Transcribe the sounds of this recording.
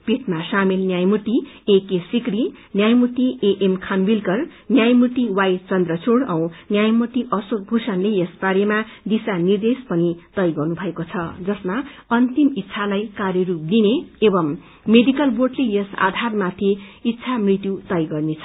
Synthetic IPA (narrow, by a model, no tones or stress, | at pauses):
piʈmasamilnjajmuʈ̪i | ekesikri | njajmut̪ieʔemkʰambilkʌrnjajmuʈ̪iwajt͡sʌnd̪rʌt͡sʰoɽʌw̃njajmuʈ̪iʔʌsok̚bʱusʌnlejʌspaɾjemad̪isanird̪espʌnit̪ʌjɡʌrnubʱʌekot͡sʰʌd͡zʌsmaʌnt̪imit̪ːsʰalajkarjʌɾup̚d̪ineːbʌmː | eɖikʌlborɖlejʌsa̰d̪ʱarmat̪ʰiit̪ːsʰamrit̪jut̪ʌjɡʌrnet͡sʰʌ